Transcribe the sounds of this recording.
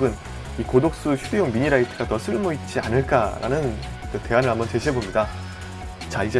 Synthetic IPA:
ɡɯn | ikodok̚s͈uçʰudejoŋmiɲiɾaitʰɯɡatʌsʰɯɭmoit̚t͡ɕ͈ia̰nɯɭk͈aɾa̰nɯn | kɯte̞ɦanɯɾɭɦambʌnt͡ɕe̞ɕʰiɦebomɲida | t͡ɕaid͡ʑe̞

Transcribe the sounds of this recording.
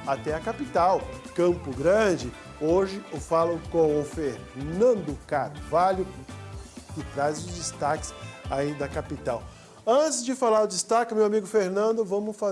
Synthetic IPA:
at̪ɛɐkapit̪awkɐ̃mpʊɡɾɐ̃d͡ʒɪ | oʒɪʊfalɐ̃w̃kõʊfeɾ | nɐ̃nd̪ʊkat̪valʊ | kɪt̪ɾajzʊzd͡ʒɪst̪akɪ̥said̪ɐkapit̪aw | ɐ̃t͡ʃɪzd͡ʒɪfalaɾʊd͡ʒɪst̪akɪmewamiɡʊfeɾnɐ̃nd̪ʊvɐ̃mʊfa

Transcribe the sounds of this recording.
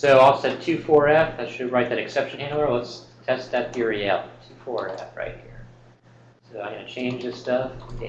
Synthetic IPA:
soʊaɪlˠsɛd̚tʰʉfɔɹæfðɨʃɨɹaɪt̪̚ðɨɾɨksɛpʃɨ̃nɪ̃nəlʌtstʰɛsðɨt̪̚jəɹiɛlˠtʰʉfɔɹæ̰fɹa̰ɪt̚hiɹ | soʊðaɪɡʌ̃nɨt͡ʃʰẽɪ̃nd͡ʒðɨstʌf

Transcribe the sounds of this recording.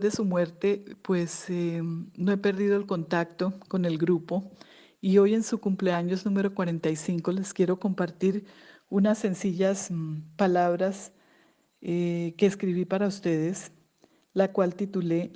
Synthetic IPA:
ðesumwe̞ɾt̪e̞pwe̞senoe̞pe̞ɾdið̞o̞elko̞nt̪akt̪o̞ko̞ne̞lɡɾupo̞ | io̞je̞nsukumple̞aɲo̞znume̞ɾo̞kwaɾe̞nt̪ajsiŋko̞le̞skje̞ɾo̞ko̞mpaɾt̪iɾunase̞nsiʝaspalaβɾas | eke̞ːskɾiβ̞ipaɾaust̪eð̞e̞s | lakwalt̪it̪ule̞

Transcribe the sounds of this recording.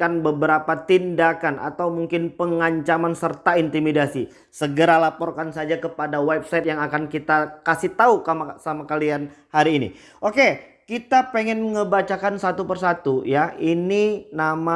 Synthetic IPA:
kanbəbəɾapat̪indakana̰t̪awmuŋkɪnpəŋaɲt͡ʃamansərt̪aint̪imidasi | səɡəɾalapɔrkansad͡ʒakəpadawɛp̚sajt̪̚jaŋakankit̪akasiht̪aukamasamakalianhaɾiːnḭ | ʔoke | kit̪apeŋɛnŋəbat͡ʃakansat̪upərsat̪ujaininama

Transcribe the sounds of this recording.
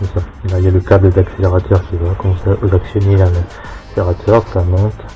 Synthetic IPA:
ɔsalailjaləkabləd̪akseleʁat̪ʰœʁkʲivakɔ̃sɛʔozaksjɔnilãla | eʁat̪ʰœʁsamɔ̃t̪

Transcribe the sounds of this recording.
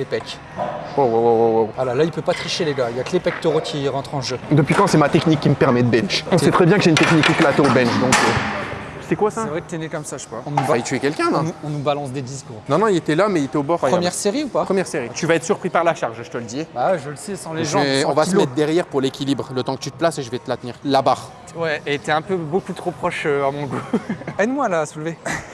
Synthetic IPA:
lepɛk | owawawawawvalalailpøpat̪χiʃeleɡailjaklepɛk̚t̪oʁokʲʰiʁɑ̃t̪χɑ̃ʒød̪əpɥikɑ̃sɛmat̪ɛknikʲːiməpɛʁmɛd̪əbɛnʃɔ̃sɛt̪χɛbjɛ̃kəʒeynt̪ɛknikːiklat̪oobɛ̃nʃd̪ɔ̃kø | sɛkwasasɛvʁɛkt̪enekɔmsaʒə̥kwaɔ̃nuvait̪yɛkʲɛlkʲɛ̃nɔ̃uɔ̃nubalɑ̃sd̪ed̪iskuʁnɔ̃nɔ̃ilet̪ɛlamɛilet̪ɛobɔʁχmjɛʁseʁiupapχəmjɛʁseʁit̪yvaɛt̪χəsyʁpχipaʁlaʃaʁʒʒət̪ələd̪ibawɛʒələsisɑ̃leʒɑ̃ɔ̃vasəmɛt̪χd̪ɛʁjɛʁpuʁlekʲilibʁlət̪ɑ̃kət̪yt̪əplaseʒəvɛt̪əlat̪niʁlabaʁ | wɛʔet̪ɛɛ̃pøbokut̪χopχɔʃøamɔ̃ɡuɛd̪mwalaːsulve

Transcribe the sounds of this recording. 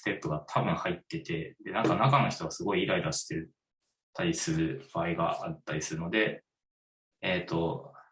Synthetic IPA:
sɨ̥t̪e̞pːɯɡat̪ʰabɯ̟̃ɰ̃hait̪ːe̞t̪e̞d̪e̞nãŋkanakano̞çi̥t̪o̞ɡasɨɡo̞iːɾaid̪aɕi̥t̪e̞ | t̪aɾʲisɨɾɯ̟b̥aːiɡa̰ʔat̪ːaɾʲisɨɾɯ̟no̞d̪e̞ | t̪ːo̞

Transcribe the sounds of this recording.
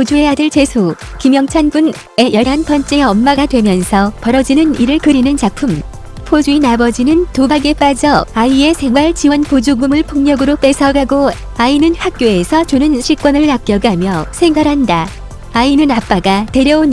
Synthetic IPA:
pod͡ʑue̞adɯɭt͡ɕe̞sʰo | kimjʌŋt͡ɕʰanbun | e̞jʌɭɦanpʌnt͡ɕ͈eʌmːaɡadwe̞mjʌnsʰʌpʌɾʌd͡ʑinɯniɾɯɭkɯɾinɯnt͡ɕak̚pʰɯm | pʰod͡ʑuinabʌd͡ʑinɯntobaɡe̞p͈ad͡ʑʌaie̞sʰe̞ŋwaɭt͡ɕiwʌnpod͡ʑuɡumɯɭpʰoŋɲʌɡɯɾop͈e̞sʰʌɡaɡo | ainɯnhak̚k͈joe̞sʰʌt͡ɕonɯnɕʰik͈wʌnɯɭːak̚k͈jʌɡamjʌsʰe̞ŋɡaɾɦanda | ainɯnap͈aɡate̞ɾjʌon

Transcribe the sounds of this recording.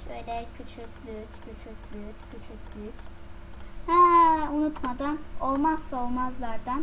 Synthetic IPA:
ʃøjlʲɛcʰyt͡ʃʰycʲlyccʰyt͡ʃʰyc̚ʲlyyccʰyt͡ʃʰycʲlycʲ | hɛunut̪mad̪ano̞lˠmazsaolˠmazlˠaɾd̪an

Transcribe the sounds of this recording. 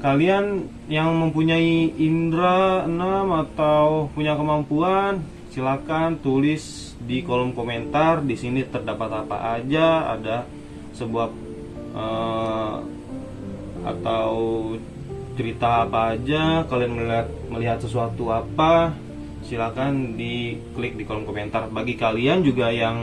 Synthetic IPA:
kalian | jaŋməmpuɲaiindɾaənamat̪awpuɲakəmampuan | silakant̪ulɪs | dikolɔmkoment̪ardisinit̪ərdapat̪apa̰ʔad͡ʒaa̰da | səbuap̚ | ə | a̰t̪aw | t͡ʃəɾit̪aːpaːd͡ʒakalianmət̪̚məliɦat̪səsuat̪uapa | silakandikəlɪk̚dikolɔmkoment̪arbaɡikaliand͡ʒuɡajaŋ

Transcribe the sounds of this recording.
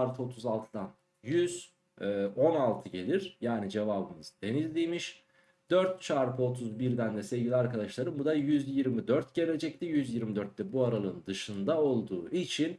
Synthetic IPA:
aɾpʰɯo̞t̪ʰuzalˠt̪ʰɯd̪an | jyz̥ | ɛːo̞nalˠt̪ʰɯɟe̞lʲiɾjaːnid͡ʒe̞vaːbɯmɯzd̪e̞nizʲd̪iːmiʃ | d̪̥øɾt̪t͡ʃʰaɾpʰo̞t̪ʰuzbiɾd̪ænd̪ɛse̞vɟilʲiaɾkad̪aʃlˠaɾɯmbud̪ajyzjiɾmid̪øɾt̪ɟe̞lʲe̞d͡ʒɛct̪ʰijyzjiɾmid̪øɾt̪ːɛbuaɾalˠɯnd̪ɯʃɯnd̪ao̞lˠd̪uːʔit͡ʃʰin

